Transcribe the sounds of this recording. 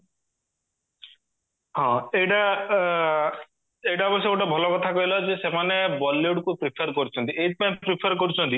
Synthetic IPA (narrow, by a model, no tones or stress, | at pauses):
ɦɔ̃ejʈa | ejʈabɔʃeowʈabʱɔlɔkɔt̪ʰakɔɦilɔd͡ʒesemanebɔlːeɽkupɾipʰeɾkoɾit͡ʃʰɔnt̪iet̪̚paj̃pɾipʰeɾkoɾit͡ʃʰɔnt̪i